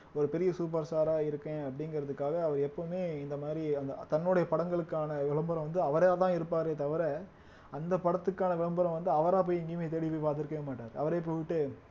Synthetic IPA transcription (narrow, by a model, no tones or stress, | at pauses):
ɔɾɯpɛɾɪjɐsuːpɐɾsaːɾaːɪɾɯkːẽːɐpːɐɽɪŋɡɪɾɐðɯkːaːɣɐːʋɐɾɛpːoːmeːɪnd̪ɐmaːd̪ɾiɐnd̪ɐt̪ɐnːɯɽɐjɐpɐɽɐŋɡɐɭɯkːaːnɐʋɪɭɐmbɐɾɐ̃ʋɐnd̪ɯɐʋɐɾɐjaːt̪ãːɪɾɯpːaːɾet̪ɐʋɐɾɛ | ɐnd̪ɐpɐɽɐt̪ːɯkːaːnɐʋɪɭɐmbɐɾɐ̃mʋɐnd̪ɯɐʋɐɾaːpoːjɪŋɡemeːt̪̬ɛɽɪpːɐpaːt̪ɪɾɯkːẽmaːʈːaːɾɯʔɐ̰ʋɐɾep̬ːoːʋɪʈːɯ